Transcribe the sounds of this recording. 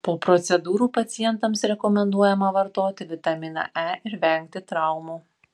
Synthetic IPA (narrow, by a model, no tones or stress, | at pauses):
poːpɾɔt̪sʲɛd̪uːɾuːpɐt̪sʲɪjɛnt̪ɐmsɾʲɛkɔmʲɛnd̪uɔjɛmɐʋɐɾt̪oːt̪ʲɪʋʲɪt̪ɐmʲɪnɐ̰ʔæːɪɾʋʲɛŋʲk̚t̪ʲɪt̪ɾɑˑʊmuː